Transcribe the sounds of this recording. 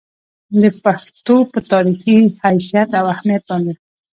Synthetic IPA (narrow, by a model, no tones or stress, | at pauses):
d̪əpaxt̪opət̪ɑɾixihajsijat̪awahmijat̪̚bɑnd̪e